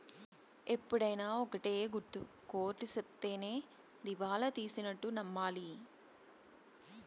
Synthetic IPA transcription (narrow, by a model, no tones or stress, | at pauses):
e̞pːuɽɐjnaːɔkɐʈeːɡuɾt̪ːṵ | ko̞ːɾʈːusep̚t̪e̞ːne̞ː | d̪iʋaːlɐt̪iːsinɐʈːunɐmːaːli